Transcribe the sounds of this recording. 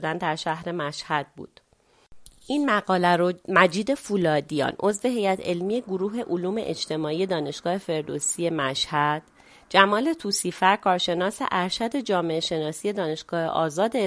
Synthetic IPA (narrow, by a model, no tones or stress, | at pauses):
d̪ænd̪æɾʃæhɾe̞mæʃhæd̪̥̚bṵːd̪̥ | ʔiːnmæɣɒːlæɾomæd͡ʒiːd̪e̞fulɒːd̪ijɒ̰ːnʔo̞zve̞ɦe̞jæt̪ʰe̞lmije̞ɡoɾuːɦe̞ʔoluːme̞̰ʔed͡ʒt̪ʰe̞mɒːije̞d̪ɒːne̞ʃɡ̥ɒːhe̞fe̞ɾd̪osije̞mæʃhæd̪̥̚ | d͡ʒæmɒːle̞t̪ʰuːsiːfæɾkʰɒːɾʃe̞nɒːse̞̰ʔæɾʃæd̪e̞d͡ʒɒːme̞eʃe̞nɒːsiːje̞d̪ɒːne̞ʃɡ̥ɒːhḛʔɒ̰ːzɒːd̪e